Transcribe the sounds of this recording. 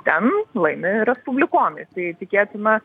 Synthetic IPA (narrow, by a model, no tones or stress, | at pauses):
t̪ʲɛnlˠɐɪnʲɪɾʲɛspʊbʲlʲɪkoːmɪsɐɪt̪ʲɪkʲeːt̪ʲɪnɐ